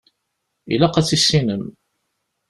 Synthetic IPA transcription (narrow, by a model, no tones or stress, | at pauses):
ḭlæqæt͡sːisːinəm